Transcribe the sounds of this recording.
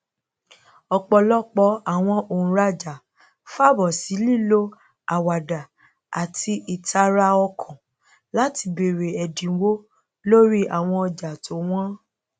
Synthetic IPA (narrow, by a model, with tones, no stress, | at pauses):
ɔ˧k͡pɔ˧lɔ˦k͡pɔ˧˦a˦˨w̃ɔ̃˧õ˨˦ɾa˧d͡ʒa˨ | fa˦˨bɔ˨si˨˦li˦˨lo˦ | a˨wa˨da˨ | a˨tʰi˧ʔi˨tʰa˧ɾa˧ɔ˧kʰɔ̃˨ | la˨˦ti˧be˨ɾe˨ɛ˨dĩ˨˦wo˦ | lo˦ɾi˦a˨w̃ɔ̃˧ɔ˧d͡ʒa˨tʰo˨˦w̃ɔ̃˦